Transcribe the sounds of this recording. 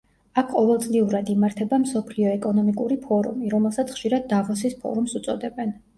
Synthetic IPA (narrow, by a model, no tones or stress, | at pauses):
akʰqʼɔvɛlˠt̪sʼliuɾad̪imaɾt̪ʰɛbamsɔpʰliɔɛkʼɔnɔmikʼuɾipʰɔɾṵmiɾɔmɛlˠsat̪sʰχʃiɾad̪̚ːavɔsispʰɔ̰ɾumsut̪sʼɔ̰d̪ɛbɛn